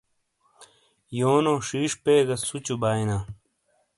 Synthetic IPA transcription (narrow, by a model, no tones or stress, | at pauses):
joːnoːʂiːʂpeːɡɐsut͡ɕubaːinaː